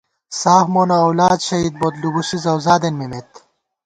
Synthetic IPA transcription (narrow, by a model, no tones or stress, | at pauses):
saːhmonoːwlaːd̪ɕɐiːd̪̚bod̪lubuɕizɐwzaːd̪enmimet̪